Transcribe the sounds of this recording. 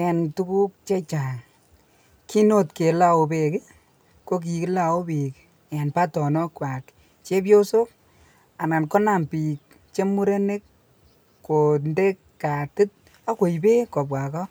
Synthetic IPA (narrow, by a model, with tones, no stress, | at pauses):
ɛ˨ntu˦ku˦k̚t͡ʃe˦t͡ʃa˨ŋ | ki˦no˦tke˨la˦o˨be˨k | ko˦k̬i˨ki˦la˨o˦bi˨k | ɛ˨npa˦tɔ˨nɔ˦kwa˨k | t͡ʃe˦pjo˦so˦k̚ | a˨na˨nkɔ˦na˨mpi˨k̚ | t͡ʃe˦mu˦ɾe˦ne˦k | kːo˨nde˦kːa˨tu˦t̚ | a˦ko˨i˨be˦ko˨bwa˨kɔ˦